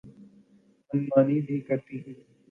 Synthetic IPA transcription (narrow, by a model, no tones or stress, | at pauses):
ɐnmaːniːbʱikɐɾt̪iɦɛ̃ː